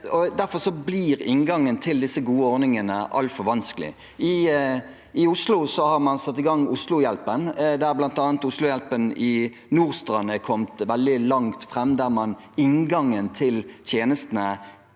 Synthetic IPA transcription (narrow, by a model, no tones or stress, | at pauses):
ɔd̪æɾfɔɾsɔblɪɾɪŋɡɑŋːənt̪ʰɪld̪ɪsːəɡuːəɔɾnɪŋənəʔɑ̰lfɔɾʋɑnskəlɪ̰ | ɪ | ɪʊslʊsɔhɑɾmɑnsɑt̪ːɪɡɑŋʊslʊjɛlpənd̪æɾblɑnt̪ɑːnt̪ʊslʊjɛlpənɪ | nuːʁst̪ʁɑnːəkʰɔmt̪ʋɛld̪ɪlɑŋt̪fʁɛmːd̪æʁmɑn | ɪŋɡɑŋənt̪ʰɪlt̪ʰjeːnəst̪ənə